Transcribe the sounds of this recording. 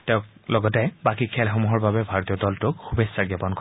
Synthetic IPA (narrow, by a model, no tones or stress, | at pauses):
tɛ̃ʊ̃klɔɡɔtɛbakikʰɛlxomuɦɔɹbabɛbʱaɹɔtijɔdɔltʊkxubesːaɡɔpɔnk